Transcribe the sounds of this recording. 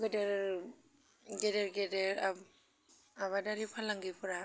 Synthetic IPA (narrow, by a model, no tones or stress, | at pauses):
ɡɯdeɾ | ɡedeɾɡedeɾa | aβadaɾipʰalaŋɡipʰɯɾa